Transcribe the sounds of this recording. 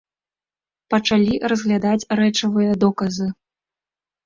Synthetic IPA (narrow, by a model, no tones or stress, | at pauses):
pɐt͡ʂalʲirɐzɣlʲad̪at͡sʲrɛt͡ʂɐvɨjɐd̪ɔkɐzɨ